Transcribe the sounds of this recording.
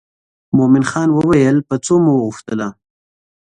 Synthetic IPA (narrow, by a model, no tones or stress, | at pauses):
momɪnxɑnwəwajəlpət͡somuwəɣuxt̪əla